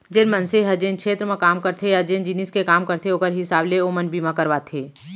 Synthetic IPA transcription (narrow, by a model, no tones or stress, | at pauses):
d͡ʒɪnmənseɦɐd͡ʒeːnkʰʃʰeːt̪ɾəmẽkaːmkəɾt̪ʰejad͡ʒeːnd͡ʒiniskekaːmkəɾt̪ʰeoːkəɾɦɪsaːbleomənbimãkəɾʋaːt̪ʰeː